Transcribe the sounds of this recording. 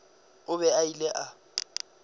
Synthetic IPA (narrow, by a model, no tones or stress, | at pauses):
ʊβɛailɛʔa